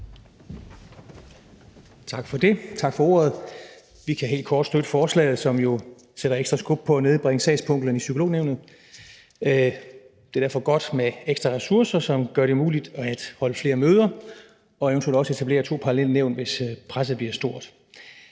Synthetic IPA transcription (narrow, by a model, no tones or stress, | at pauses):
t͡sʰɑ̈ɡ̥fɒ̽d̥e̝t͡sʰɑ̈ɡ̥fɒo̝̰ːɐð̞̩ˠ | ʋikʰæɦe̝̰ld̚kʰɒːd̥sd̥øɾ̥əfɒːslɛ̰ːð̞̩ˠsɒ̽mjo̝ | seɾ̥ɐeɡ̥sd̥ʁɐsɡ̥ob̥̚pʰɒ̽æne̝ð̞ˠb̥ʁeŋəsɛ̰ɪspʰɔ̽ŋ̰ɡ̥lən̩isykʰolo̝̰ːneʊ̰nð̞̩ˠ | d̥e̝d̥æɐfɒ̽ɡ̥ɒ̽d̥meeɡ̥sd̥ʁɑʁɛsuɐsɐsɒ̽mɡ̥ɶɐɾ̥e̝muːlid̥æd̥hɒ̽ləfle̝ːɐmøːð̞ˠɐ | ɒ̽ent͡sʰu̥eld̥ɒ̽se̝t͡sʰæb̥le̝̰ːɐt͡sʰo̝̰ːpʰɑ̈ːlel̰neʊn̥ʋe̝spʰʁas̬ð̩ˠb̥liɐsd̥o̝ɐ̰d̥